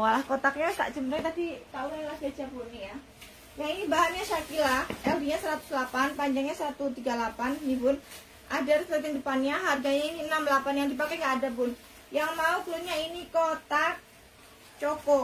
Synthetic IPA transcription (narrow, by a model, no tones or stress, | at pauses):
walahkot̪ak̚ɲat̪a̰ʔt͡ʃəmɾɛŋt̪adit̪aulalahdad͡ʒapunija | jainibaɦanɲaʃakilaʔɛldiɲasəɾat̪u̥slapanpaɲd͡ʒaŋɲasəɾat̪ut̪iɡalapandipʊn | ʔadart̪əət̪indəpanɲaɦarɡaɲainiənamlapanjaŋdipakɛŋɡaːdapʊn | jaŋmaup̪uluɲainikot̪ak̚ | t͡ʃokɔ